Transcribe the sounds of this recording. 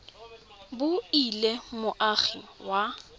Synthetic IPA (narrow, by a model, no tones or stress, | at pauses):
bʊilemʊʔaɣiwa